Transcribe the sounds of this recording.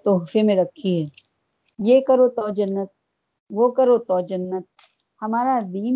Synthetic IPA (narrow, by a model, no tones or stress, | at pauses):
t̪oːɦfemẽɾɐkʰːiɦɛː | jeːkɐɾot̪ɔːd͡ʒɐnːət̪̚ | ʋokɐɾot̪ɔːd͡ʒɐnːət̪̚ | hɐmaːɾad̪iːn